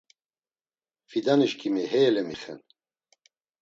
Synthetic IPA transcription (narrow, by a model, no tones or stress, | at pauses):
fid̪aniʃkʰʼimiɦɛjɛlɛmiχɛ̰n